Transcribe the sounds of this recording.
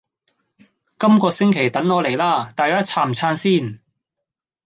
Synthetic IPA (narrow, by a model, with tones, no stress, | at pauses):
kɐ˥mkɔː˧sɪ˥ŋkʰe˨˩jt̪ɐ˨˥ŋːɔː˨˧le˨˩jlaː˥t̪aː˨˧jkaː˥t͡sʰaː˧mt͡sʰaː˧nsiː˥˩n